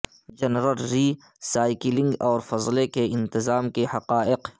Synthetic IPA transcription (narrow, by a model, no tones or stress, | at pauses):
d͡ʒɐnɾəlːiː | saːɪkɪlɪ̃ŋɡɔːɾfɐzlekeɪ̃nt̪ɪzaːmkehɐqaːɪq